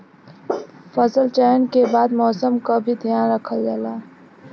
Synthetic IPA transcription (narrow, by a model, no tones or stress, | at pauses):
fəsəlt͡ʃɛːənkebaːd̪mɔːsəmkabʱid̪ʱjaːnɾəkʰəld͡ʒaːlaː